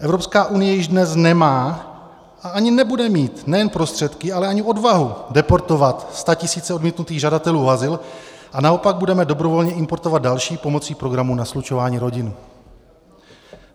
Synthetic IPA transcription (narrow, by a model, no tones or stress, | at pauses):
ʔɛvɾo̞pskaːʔunɪjɛjɪʒdnɛsnɛmaː | ʔaaɲɪnɛbudɛmiːt̪nɛjɛnpɾo̞st̪r̝̥ɛt̪kɪalɛaɲɪʔo̞dvaɦudɛpo̞ɾt̪o̞vat̪st̪acɪsiːt͡sɛodmiːt̪nut̪iːɣʒadat̪ɛluːɦazɪl | ʔanao̞paɡ̚budɛmɛdo̞bɾo̞vo̞lɲɛɪmpo̞ɾt̪o̞vad̪̚dalʃiːpo̞mo̞t͡siːpɾo̞ɡɾamunaslut͡ʃovaːɲiːɾo̞ɟɪn